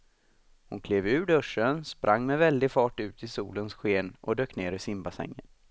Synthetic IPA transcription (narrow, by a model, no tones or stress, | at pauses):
hʊnkʰleːvʉ̟ːɖɵʂːənspɾʔaŋːmɛvɛld̪ɪfɑːʈʉ̟ːt̪ʰɪsuːlənsɧeːnʔɔ̰d̪øːkneːɾɪsɪmbasɛ̰ŋːə̰n